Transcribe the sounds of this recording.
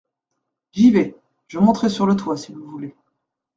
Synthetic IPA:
ʒivɛ | ʒ̥əmɔ̃t̪χɛsyʁlət̪wasiluvule

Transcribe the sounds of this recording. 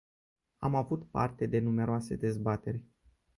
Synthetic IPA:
amavut̪pa̰rt̪e̞d̪e̞nume̞ɾoase̞d̪e̞zbat̪e̞rʲ

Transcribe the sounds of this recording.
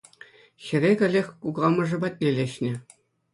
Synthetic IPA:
ɕɘ̆ɾʲeɡʲɘ̆lʲexʲkuɡɑmɤ̆ʐɘ̆bɑt̚ʲnʲelʲeɕnʲɘ̆

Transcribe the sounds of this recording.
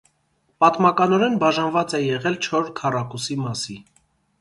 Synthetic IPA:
pɑt̪mɑkɑnɔɾɛnbɑʒɑnvɑt͡sɛjɛʁɛlt͡ʃʰɔɾɾkʰɑrɑkusimɑsi

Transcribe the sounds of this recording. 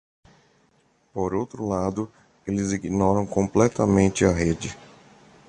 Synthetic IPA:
poɾowt̪ɾʊlad̪ʊ | elɪziɡnɔɾɐ̃w̃kõmplɛt̪ɐmẽnt͡ʃɪɐɦed͡ʒɪ

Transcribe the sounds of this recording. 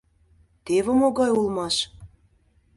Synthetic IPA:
t̪eβomoɣɑjulˠmɑʃ

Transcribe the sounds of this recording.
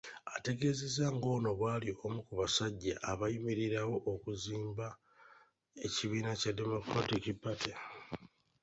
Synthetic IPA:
ate̞ɡe̞zezaŋɡo̞ːno̞βwaːlio̞mukuβasaɟːa̰ʔːβajimiɾiɾawo̞ʔːkuziːmba | eciβiːnacade̞mo̞kɾatikipːatʰe

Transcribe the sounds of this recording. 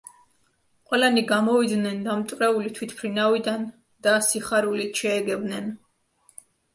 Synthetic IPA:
qʼwɛlaniɡamɔvid̪nɛnd̪amt̪ʼvɾɛulit̪ʰwit̪ʰpʰɾinavid̪an | d̪̥asiχaɾulit̪ʃɛːɡɛbnɛn

